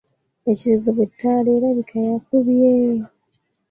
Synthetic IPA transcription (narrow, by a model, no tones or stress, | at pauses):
eciɾiziβetːaːleːɾaβikʰajakuβjeː